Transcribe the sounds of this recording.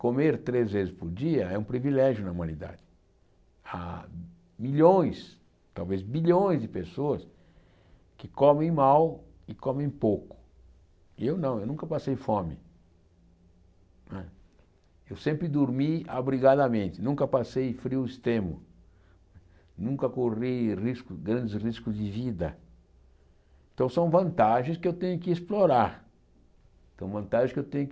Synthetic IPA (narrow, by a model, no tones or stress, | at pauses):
komeɾt̪ɾezvezɪspʊɾd͡ʒiɐɛũpɾivilɛʒjʊnɐumɐ̃nid̪a̰d͡ʒɪ̥ | a̰ | miʎõj̃s | t̪awvezbiʎõj̃zd͡ʒɪpesoɐs | kɪkomẽj̃maw | ɪkõmẽj̃powkʊ̥ | ewnɐ̃w̃ewnũŋkɐpasejfõmɪ̰ | nɛ | ewsẽmpɾɪd̪oɾmia̰bɾiɡad̪ɐmẽnt̪ɪnũŋkɐpasejfɾiwɪst̪ɾẽmʊ̰ | ɛ | nũŋkɐkorijriskʊɡɾɐ̃nd̪ɪsriskʊzd̪ɪvid̪ɐ̰ | ẽt̪ɐ̃w̃sɐ̃w̃vɐ̃nt̪aʒẽj̃skɪewt̪ẽɲʊkɪesploɾaɾ | sɐ̃w̃vɐ̃nt̪aʒẽskewt̪ẽɲʊk